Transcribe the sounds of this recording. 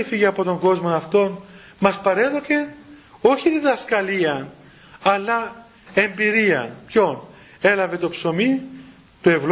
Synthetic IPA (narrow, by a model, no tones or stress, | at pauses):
ifiʝeɐpo̞t̪oŋɡo̞zmo̞nɐft̪o̞n | mɐspɐɾe̞ðoce̞o̞çiðiðɐskɐliɐn | ɐlːɐ | e̞mbiɾiɐ̰npço̞ne̞lɐve̞t̪o̞pso̞mi | t̪ue̞vl